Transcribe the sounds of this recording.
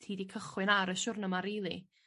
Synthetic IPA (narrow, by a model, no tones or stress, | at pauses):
tʰiːdikʰəχwɨnaɾəʃʊrnəmaɾilˠi